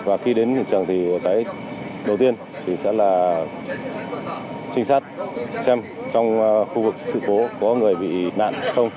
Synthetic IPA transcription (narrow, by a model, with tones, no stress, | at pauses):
vaː˨˩xi˧ɗe˨˦nɲɨ̰˧˨t͡ɕɨ˨˩əŋt̪ʰi˨˩˨kaː˨˦j | ɗə˨˩wt̪i˧ən | t̪ʰi˨˩sɛ̰˧˥laː˨˩ | t͡ɕï˧ŋ̟saː˦˥t̚sɛ˧m | t͡ɕɔ˧wŋ͡mxu˧vɨ˨˩k̚sɨ̰˧˨ko˨˦kɔ˨˦ŋɨ˨˩əjɓḭ˧˨na̰ː˧˨nxə˧wŋ͡m